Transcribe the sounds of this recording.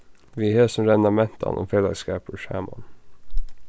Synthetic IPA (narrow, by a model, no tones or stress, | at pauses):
ʋiːheːsɔmɾɛnd̪ɑmɛnt̪ʰɑ̰nʔɔ̰mfɛlə̰skɑːpoʃæ̰ːmɑ̰n